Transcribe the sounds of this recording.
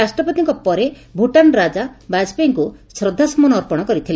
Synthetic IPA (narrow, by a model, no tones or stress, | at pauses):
asʈɾɔpɔt̪iŋkɔpɔɾe | bʱuʈanɾad͡ʒabad͡ʒpeŋkusɾɔd̪ʱːasɔmɔnɔːɾpɔɽ̃ɔkɔɾit̪ʰile